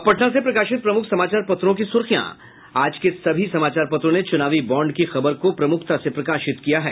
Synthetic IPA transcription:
pɐʈnasepɾɐkaːʃɪt̪̚pɾɐmʊkʰsɐmaːt͡ʃaːɾpɐt̪ɾõkisʊɾxijã̰ | aːd͡ʒkesɐbʱisɐmaːt͡ʃaːɾpɐt̪ɾõnet͡ʃʊnaːʋibɔːɳɖkixɐbəɾkopɾɐmʊkʰt̪asepɾɐkaːʃɪt̪kijaɦɛː

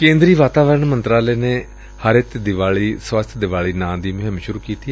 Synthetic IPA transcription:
kẽːnd̪ɾiːʋaːt̪aːʋəɾəɳmənt̪ɾaːleːneː | həɾɪt̪d̪ɪʋaːɭiːswəst̪ʰd̪ɪʋaːɭiːnãːd̪iːmʊɦɪ̃mʃʊɾuːkiːt̪iːɛ

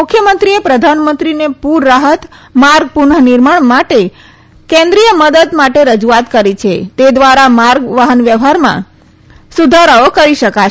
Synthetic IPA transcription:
mukʰjəmənt̪ɾiepɾəd̪ʱanmə̃nt̪ɾinepuɾːaɦət̪maɾɡ̚puɳənɪɾmaɳmaʈe | kẽnd̪ɾijəməd̪əd̪maʈeɾəd͡ʒuat̪kəɾit͡ʃʰet̪ed̪ʋaɾamaɾɡʋaɦənʋjəʋɦaɾmã̰ | sud̪ʱaɾaokəɾiʃəka

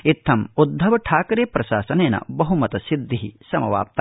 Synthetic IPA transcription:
it̪ʰːɐmud̪ʱːɐʋɐʈʰaːkɾeːpɾɐʃaːsɐneːnɐ̰bɐɦumɐt̪ɐsid̪ːiɦisɐmɐʋa̰ːp̚t̪ː

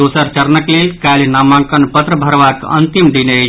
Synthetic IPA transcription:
oːsəɾt͡ʃəɾnəklelkalnamãŋkənpət̪ɾəbʱəɾʋat̪ə̰nt̪imɖine

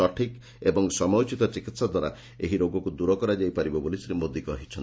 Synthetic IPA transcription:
ɔʈʰik | ebɔŋsɔmɔwt͡ʃit̪ɔt͡ʃikit̪sad̪ʱwaɾa̰ | eɦiɾoɡɔkud̪uɾɔkɔɾad͡ʒajpaɾibɔbolisɾimod̪ikɔɦit͡ʃʰɔn

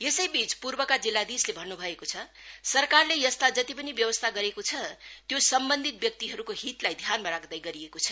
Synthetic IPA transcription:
jesʌjbit͡spurbʌkad͡zilːad̪islebʱʌnːubʱʌekot͡sʰʌ | sʌrkarlejʌst̪ʰad͡zʌt̪ipʌnibjʌbʌst̪ʰaɡʌɾekot͡sʰʌt̪josʌmbʌnd̪ʱit̪̚bjʌk̚t̪iɦʌɾukoɦit̪lajd̪ʱjanmaɾakd̪ajɡʌɾiekot͡sʰʌ

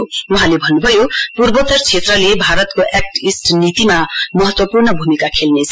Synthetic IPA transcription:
uɦãlebʱʌnːubʱʌjopurbʌt̪ʌrt͡sʰet̪rʌlebʱaɾʌt̪koʔek̚ʈisʈnit̪imamʌɦʌt̪wʌpurnʌbʱumikakʰelnet͡sʰ

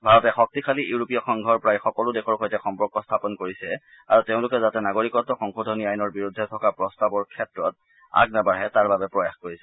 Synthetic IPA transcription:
bʱaɹɔtɛxɔk̚tikʰaliuɹupijɔxɔŋɡʱɔɹpɹajxɔkɔlʊdɛxɔɹxɔjtɛxɔmpɔɹkɔstʰapɔnkoɹisɛ | a̰ɹuteʊ̃lʊkɛzatɛnaɡoɹikɔtːɔxɔŋxodʱɔniajnɔɹbiɹudʱːɛtʰɔkapɹɔstabɔɹkʰɛtɹɔt̚ | a̰ɡnabaɹɛtaɹbabɛpɹɔjaxkoɹisɛ

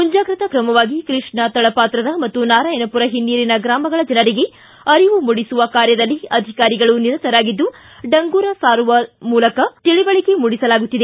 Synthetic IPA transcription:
kuɲd͡ʒaːɡɾɐt̪ɐkɾɐmɐʋaːɡikɾiʂɳɐt̪ɐɭɐpaːt̪ɾɐd̪ɐmɐt̪ːunaːɾaːjɐnɐpuɾɐɦinːiːɾinɐɡɾaːmɐɡɐɭɐd͡ʒɐnɐɾiɡe̞ | ɐɾiʋumuɽisuʋɐkaːɾjɐd̪ɐlːiɐd̪ʱikaːɾiɡɐɭuniɾɐt̪ɐɾaːɡid̪ːu | ɖɐŋɡuːɾɐsaːɾuʋɐmuːlɐkɐt̪iɭibɐɭikemuɽisɐlaːɡut̪ːid̪e

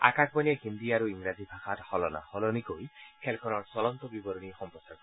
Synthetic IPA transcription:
a̰kak̚ʰpɔnɛhind̪iaɾuiŋɡɹazibʱaxathɔlɔna̰hɔlɔnikojkʰɛlkʰɔnɔɹsɔlɔnt̪ɔbibɔɾɔnixɔmpɔsaɹkɔ

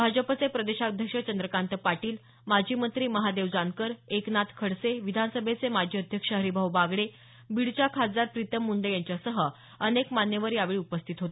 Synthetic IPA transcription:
bʱad͡ʑəpt͡sepɾəd̪eɕad̪ʱjəkʂət͡ɕənd̪ɾəkant̪əpaʈiːl | mad͡ʑʱiːmənt̪ɾiːməɦad̪eʋd͡zankəɾeknat̪ʰkʰəɽseʋid̪ʱanəsəbʱet͡semad͡ʑʱiːəd̪ʱjəkʂəɦəɾibʱəwbaɡɭe | biɽt͡ɕakʰad͡zaɾpɾit̪əmːuɳɖəjaɲt͡ɕjasəɦə | ənekmanjeʋəɾjaʋeɭiːupəst̪ʰit̪ɦot̪e

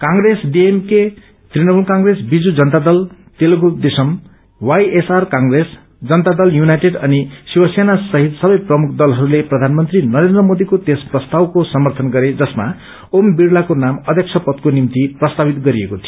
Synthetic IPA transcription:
kãŋɡɾesɖiemke | t̪rinʌmulkaŋɡresbid͡zud͡zʌnt̪ad̪ʌlt̪elɡud̪esʌm | wajesarkãŋɡres | d͡zʌnt̪ad̪ʌljunajʈeɖʌnisiwʌsenasʌɦit̪sʌbʌjprʌmukʰd̪ʌlɦʌɾuleprʌd̪ʱanmʌnt̪rinʌɾend̪rʌmod̪ikot̪esprʌst̪awkosʌmʌrt̪ʰʌnɡʌɾed͡zʌsma̰ | ombiɽlakonamʌd̪ʱjʌk̚t͡ʃʰʌpʌt̪konimt̪iprʌst̪abit̪ɡʌɾiekot̪ʰio

